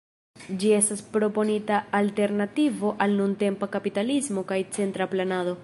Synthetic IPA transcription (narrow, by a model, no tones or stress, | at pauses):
d͡ʒie̞staspɾo̞po̞nitaːlte̞ɾnativo̞ʔalnunte̞mpakapitalizmo̞kajt͡se̞ntɾaplanado̞